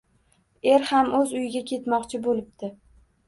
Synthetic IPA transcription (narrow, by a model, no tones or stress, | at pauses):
e̞ɾhamɵzʊjɪɡʲakʲʰe̞t̪mɒqt͡ʃʰɪbolɪp̚t̪ɪ